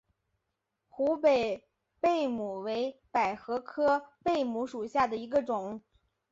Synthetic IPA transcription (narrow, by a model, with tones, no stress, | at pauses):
xu˧˥pe˨˩ɪ | pe˥˩ɪmu˨˩we˧˥ɪpa˨˩ɪxɤ˧˥kʰɤ˥pe˥˩ɪmu˧˥ʂu˨˩ɕja˥˩d̪ə˩i˧˥ɡə˧ʈ͡ʂʊ˨˩˦ŋ